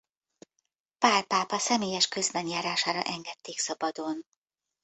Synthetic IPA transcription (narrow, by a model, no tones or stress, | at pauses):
paːrpaːpɒsɛmeːjɛʃkø̞zbɛnjaːɾaːʃaːɾɒ̰ʔɛŋɡɛt̪ːeːksɒbɒd̪o̞n